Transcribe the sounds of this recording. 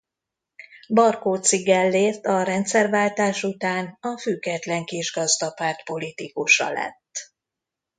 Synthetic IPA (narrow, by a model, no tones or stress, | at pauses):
bɒrkoːt̪siɡɛlːeːrt̪ɒɾɛnt̪sɛrvaːlt̪aːʃut̪aːnɒfyɡɛt̪lɛŋkiʒɡɒzd̪ɒpaːrt̪po̞lit̪ikuʃɒ̰lɛ̰t̪ː